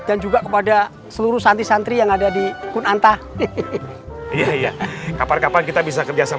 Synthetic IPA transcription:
d̥and͡ʒuɡakəpada | səluɾuhsant̪isant̪ɾijaŋadadikʊnant̪a | ijaija̰kaparkapankit̪abis̬akərd͡ʒasa

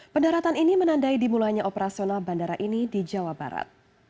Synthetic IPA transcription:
pəndaɾat̪aninimənandaidimulajɲaʔopəɾasionalbandaɾaʔinidid͡ʒawaba̰ɾa̰t̪̚

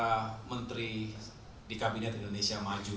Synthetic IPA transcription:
amənt̪ɾi | dikabinɛt̪indonesiamad͡ʒu

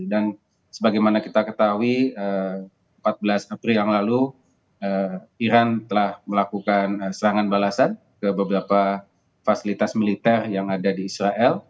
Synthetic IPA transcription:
dan | səbaɡajmanakit̪akət̪aɦuiə | əmpat̪̚bəlasapɾiljaŋlalu | əiɾant̪əlahməlakukanəsəɾaŋanbalasan | kəbəbəɾapa | fasilit̪asmilit̪ɛrjaŋadadiːsɾaʔɛl

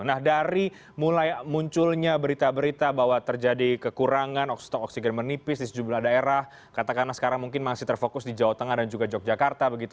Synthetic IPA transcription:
nahdaɾi | mulajmuɲt͡ʃʊlɲabəɾit̪abəɾit̪abaɦwat̪ərd͡ʒadikəkuɾaŋanɔkst̪ɔkɔksiɡɛnmərnipɪsdisəd͡ʒumlahdaeɾah | kat̪akanasə̥kaɾaŋmuŋkɪnmasɪht̪ərfokʊsdid͡ʒawat̪əŋahdand͡ʒuɡad͡ʒɔk̚d͡ʒakart̪abəɡit̪

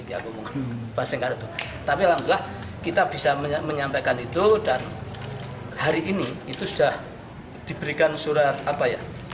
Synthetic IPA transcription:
ia̰kumuŋpasəŋkast̪u | t̪apialamt̪ilah | kit̪ab̥isamməɲampajkanit̪udan | haɾiʔiniːt̪usud̥ah | d̥i̤b̥əɾikansuɾat̪apaja̰

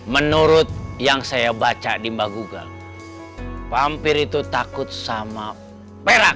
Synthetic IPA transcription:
mənuɾʊt̪̚jaŋsajabat͡ʃadimbahɡuɡa̰ | pampɪɾit̪ut̪akʊt̪̚sama | peɾak̚

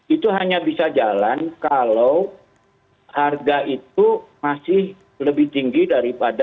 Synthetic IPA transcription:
it̪uɦaɲabisad͡ʒalankalaw | harɡaʔit̪̚umasɪh | ləbɪht̪iŋɡidaɾipada

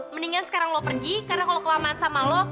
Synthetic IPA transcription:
məniŋansə̥kaɾaŋlɔpərɡikarənakalokəlamaansamalɔ

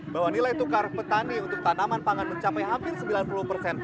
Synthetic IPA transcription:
bawanilajit̪ukaɾpət̪aniunt̪ʊk̚t̪anamanpaŋanməɲt͡ʃapajɦampɪrsəmbilanpuluhpərsɛn

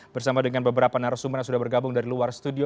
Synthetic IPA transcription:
bərsamadəŋanbəbəɾapanaɾasuməraŋsudahbərɡabʊŋdaɾiluarst̪udio

